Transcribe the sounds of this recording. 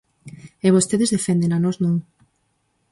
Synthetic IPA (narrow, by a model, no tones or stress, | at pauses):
eβost̪eðezðefend̪enanɔznõŋ